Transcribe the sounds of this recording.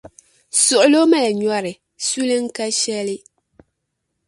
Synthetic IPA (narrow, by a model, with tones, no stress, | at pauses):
sʊ˨ʔʊ˨˦lo˦ma˦la˨ɲɔ˦ɾɪ˨ | su˦lɨ˦ŋ̩˦ka˦ʃɛ˦lɪ˦